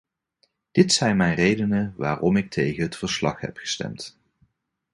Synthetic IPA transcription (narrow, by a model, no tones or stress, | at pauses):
d̥ɪtsɛjnmɛjnrejdənəʋa̰ːrɔmɪk̚tʰejχənɦətfəɹslɑ̰χɦɛ̰pχə̥stɛ̰mt